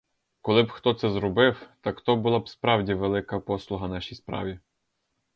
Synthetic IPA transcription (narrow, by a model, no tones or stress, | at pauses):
kɔlˠɪbxt̪ɔt̪sɛzɾɔbɪwt̪ɑkt̪ɔbʊlˠɑbspɾɑwdʲiʋelˠɪkɐpɔslˠʊɦɐnɑʃʲijspɾɑ̰ʋʲi